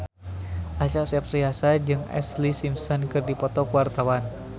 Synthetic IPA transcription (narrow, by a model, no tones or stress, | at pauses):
ʔat͡ʃasɛpriasad͡ʒɨŋɛ̰slisimsɔnkɨrdipɔt̪ɔkwart̪awan